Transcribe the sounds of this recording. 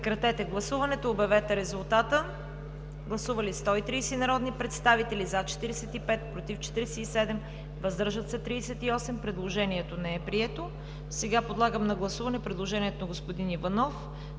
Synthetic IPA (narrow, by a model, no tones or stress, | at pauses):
pɛkɾɐt̪ɛt̪ɛɡlˠɐsuvɐnɛt̪oːbɛvɛt̪ɛɾɛzʊlˠt̪at̪ə | ɡlˠɐsuvɐlist̪ɔit̪ɾiːsɛnɐɾɔd̪nipɾɛt̪st̪avit̪ɛlizat͡ʃɛ̥t̪iɾɛsɛt̪ipɛt̪̚pɾot̪ift͡ʃɛ̥t̪iɾɛsɛisɛd̪ɛm | vɐzd̪ɤɾʒət̪sɛt̪ɾiːsɛt̪iɔsɛmpɾɛd̪lˠoʒɛniɛt̪onɛɛpɾiɛt̪o | sɛɡapod̪lˠaɡəmnɐɡlˠɐsuvɐnɛpɾɛd̪lˠoʒɛnʲiɛt̪onɐɡospod̪inivɐnɔf